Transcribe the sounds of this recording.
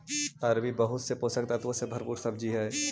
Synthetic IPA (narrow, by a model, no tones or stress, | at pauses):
ɐɾbibɐɦʊt̪sepoːsək̚t̪at̪ʋosebʱɐɾpuːɾsɐb̚d͡ʒiɦɛː